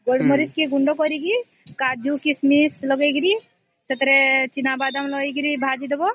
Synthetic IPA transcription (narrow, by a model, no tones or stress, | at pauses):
ɡəɽmɐɾiskiɡuɳɖokoɾiɡi | kaːd͡ʒukismislɔɡeɡɾi | sɐt̪ɾet͡ʃinabaːd̪amlɔiɡiɾibʱaːd͡ʒid̪ɐbo